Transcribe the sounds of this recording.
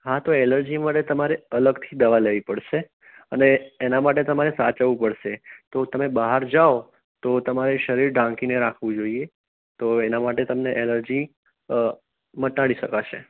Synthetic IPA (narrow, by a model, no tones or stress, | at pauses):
ɦat̪oeləɾd͡ʒimaʈet̪əmaɾeələɡt̪ʰid̪əʋaleʋipəɽʃe | əneːnamaʈ̬et̪əmaɾesat͡ʃəʋũpəɽʃet̪ot̪əmebəɦaɾd͡ʒao | t̪ot̪əmaɾeʃəɾiɾɖãŋkineɾakʰʋũd͡ʒoie | t̪oenamaʈet̪əmneʔeləɾd͡ʒi | mət̪ːaɽiʃəkat͡ʃʰe